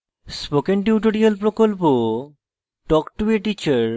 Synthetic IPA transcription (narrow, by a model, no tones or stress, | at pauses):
spokenʈiuʈ̬oɾialpɾokolpo | ʈɔkʈubeʈit͡ɕaɾ